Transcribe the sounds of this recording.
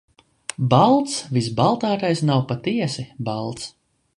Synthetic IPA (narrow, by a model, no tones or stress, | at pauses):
balˠt̪svisbalˠt̪aːɾajsnawpat̪iɛsibalˠt̪s